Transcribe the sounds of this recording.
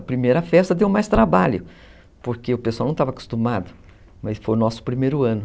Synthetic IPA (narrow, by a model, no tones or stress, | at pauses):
ɐpɾimejɾɐfɛst̪ɐd̪ewmajst̪ɾabaʎʊ | poɾkeʊpeswawnɐ̃w̃t̪avaku̥st̪umad̪ʊ | mɐsfojnɔsʊ̥pɾimejɾʊɐ̃nʊ